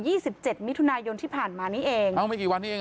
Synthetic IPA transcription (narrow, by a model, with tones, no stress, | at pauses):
jiː˥˩si˨˩p̚t͡ɕe˨˩t̪̚mi˦˥t̪ʰu˧naː˧jo˧nt̪ʰiː˥˩pʰaː˨˩nmaː˧niː˦˥ʔeː˧ŋʔa˧˩wma˥˩kiː˨˩wa˧nːiː˦˥˩eː˧